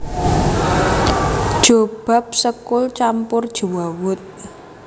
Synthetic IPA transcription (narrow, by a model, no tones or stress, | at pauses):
d̥ʒ̥ob̥a̤p̚səkʊlt͡ʃampʊrd̥ʒ̥ṳwawʊt̪̚